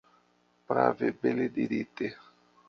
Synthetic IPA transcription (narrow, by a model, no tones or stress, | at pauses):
pɾa̰vebeled̪iɾit̪e